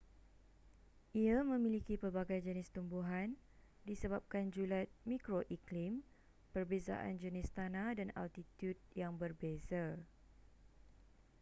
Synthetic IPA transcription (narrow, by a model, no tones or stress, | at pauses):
ʔiamə̃mĩlikipərbaɡajd͡ʒənɪst̪umbuɦan | disəbap̚kand͡ʒulat̪̚mĩkɾoʔiklim | pərbeza̰ʔa̰nd͡ʒənɪst̪anãdana̰lt̪it̪judjaŋbərbeza